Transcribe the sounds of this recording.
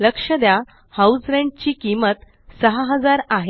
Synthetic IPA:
ləkʂəd̪ja | hausɾẽɳɖ̚t͡ɕiːkimət̪ | səɦaɦəd͡zaɾaɦ

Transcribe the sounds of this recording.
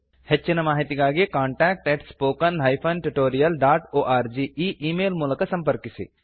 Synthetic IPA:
hɐtːt͡ʃːinɐmaːɦit̪iɡaːɡekaːɳʈɛːk̚ʈɛːʈʰspoːkɐnlaːjpʰɐnʈuʈoːɾijɐlɖaːʈoːʔaːɾd͡ʒiːʔiːʔiːmeːlmuːlɐkɐsɐ̃mpɐɾkisḭ

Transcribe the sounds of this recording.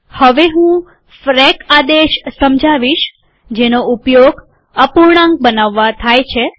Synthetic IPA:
həʋeɦũ | fɾɛkad̪eʃsəmd͡ʒʱaʋiʃ | d͡ʒenoupjoɡ | əpuɾɳ̃ãŋɡ̚bənaʋːat̪ʰajt͡ʃʰe

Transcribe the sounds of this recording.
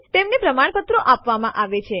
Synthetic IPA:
t̪emnepɾəmaɳ̃pət̪ɾoʔapʋamãʔaʋet͡ʃʰe

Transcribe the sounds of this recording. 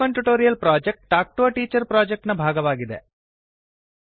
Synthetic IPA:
ɐɳʈuʈoːɾijɐlpɾaːd͡ʒek̚ʈʈaːk̚ʈoːɐʈiːt͡ʃɐɾpɾaːd͡ʒek̚ʈnɐbʱaːɡɐʋaːɡid̪ḛ

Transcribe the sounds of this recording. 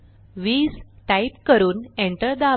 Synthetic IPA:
ʋiːd͡zʈaipkəɾuːneɳʈəɾd̪a

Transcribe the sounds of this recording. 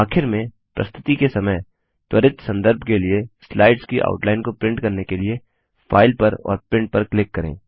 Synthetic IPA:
aːkʰɪɾmẽ | pɾʔɐ̰st̪ʰɪ̥t̪ikesɐməj | t̪wɐɾɪt̪sɐ̃nd̪əɾbʱkelieslaːɪɖskiʔa̰ːʊʈlaːɪnkopɾɪ̃ɳʈkɐɾnekelie | fʰa̰ːɪlpɐɾɔ̰ːɾpɪ̃ɳʈ̚pɐɾklɪkːɐɾḛ̃ː

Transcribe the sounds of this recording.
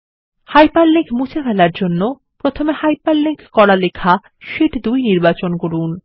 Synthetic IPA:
hajpaɾlːikmut͡ɕʰafɛlaɾd͡ʑonːo | pɾot̪ʰomehajpaɾlikkɔɽalekʰa | ʃiʈd̪ujniɾbat͡ɕonkoɾun

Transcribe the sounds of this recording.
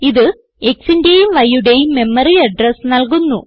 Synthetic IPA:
iðɨ | eksindejumʋɐjuɽe̞jme̞mːɐriɐɖrɐsnɐlkunːṵ

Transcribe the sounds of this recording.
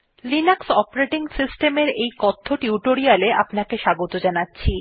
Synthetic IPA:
linaksɔpaɾeʈiŋsisʈemeɾejkɔt̪ʰːoʈiuʈoɾialeapnakeʃaɡot̪od͡ʑanatːɕʰi

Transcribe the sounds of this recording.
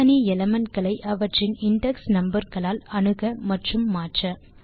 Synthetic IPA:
ɐniɛlɐmɐnkɐɭɐɪʔɐʋɐʈrɪnɪɳɖɛksnɐmbɐɾɣɐɭaːlɐɳɯɣɐmɐʈrɯmːaːʈrɐ

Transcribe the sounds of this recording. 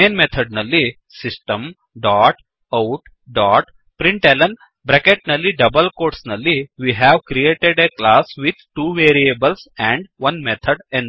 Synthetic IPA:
mẽːnmet̪ʰəɖnɐlːi | sisʈə̃m | ɖɔːʈ | aʊʈ | ɖɔːʈ | pɾĩɳʈelɐ̃n | bɾɛkeʈ̚nɐlːiɖɐbəlkoːɾʈsnɐlːiʋiːɦæʋkɾieːʈeɖeklaːsʋid̪̚ʱʈuːʋeːɾiebəlsɛ̃ɳɖʋɐ̃nmet̪ʰəɖɛ̃n

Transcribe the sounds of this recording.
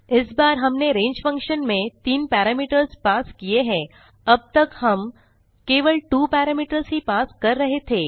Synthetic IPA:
ɪsbaːɾɦəmneɾẽːɲd͡ʑfə̃ŋkʃənmẽt̪iːnpæɾamiːʈəɾzpaskijeɦɛ̃ | əb̚t̪əkhəm | keʋəɭʈuːpæɾamiːʈəɾzɦipaskəɾːəɦet̪ʰe

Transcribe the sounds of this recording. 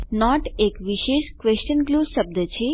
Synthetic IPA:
nɔʈekʋiʃeʃkʋest͡ʃənɡluʃəb̚d̪ət͡ʃʰe

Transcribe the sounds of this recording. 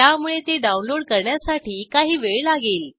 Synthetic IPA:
amuɭet̪eɖaunloɽkəɾɳjasaʈiːkaɦiːʋeɭlaɡeːl

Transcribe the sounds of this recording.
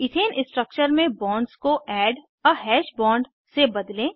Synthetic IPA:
ɪt̪ʰeːnʔɪsʈɾək̚t͡ʃəɾmẽbɔ̃ːɳɖskoʔɛːɖ | ɔɦɛːʃbɔ̃ːɳɖ | sebɐd̪lẽː

